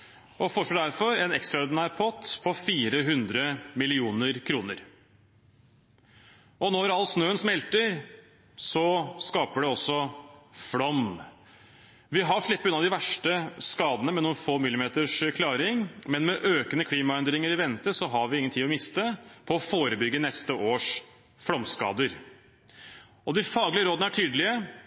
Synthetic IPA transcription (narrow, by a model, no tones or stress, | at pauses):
ʔɔfɔʂɔːd̪æɾfɔɾɛnɛkst̪ɾɑɔɾɖ̪ɪnæːɾpʰɔt̪pʰɔfiːɾəɦʉnd̪ɾəmɪlɪuːnəɾkʰɾuːnə̰ɾ | ʔɔnɔɾɑlːsnøːənsmɛlt̪əɾ | sɔskɑːpəɖɛɔsːɔflɔm | ʋɪɦɑʂɭɪpːəʉnɑd̪ɪʋæʂʈəskɑːd̪ənəmɛnuːnfoːmɪlːɪmeːt̪əʂkʰlɑːɾɪŋmɛnmɛʔøːkənəkʰliːmɑɛnd̪ɾɪŋəɾɪʋɛnt̪əsɔɦɑɾʋɪɪŋənt̪iːɔmɪst̪əpʰɔːfoːɾəbʏɡːənɛst̪əʔoːʂ | fɽɔmskɑ̰ːd̪əɾ | ɔd̪ɪfɑːɡlɪəɾoːd̪əæʈʰyːd̪əlɪə